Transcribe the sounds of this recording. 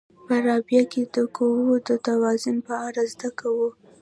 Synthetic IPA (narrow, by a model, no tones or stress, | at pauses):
pəɾɑbjaked̪əkowod̪ət̪awɑzʊnpəaɾazd̪akawu